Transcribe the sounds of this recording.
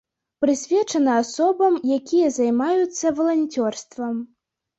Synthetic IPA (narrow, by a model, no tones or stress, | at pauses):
pɾɨsʲvʲɛt͡ʂɐnɐasɔbɐmjakʲijɐzajmajut̪sːɐvɐlˠanʲt͡sʲɔrst̪vɐm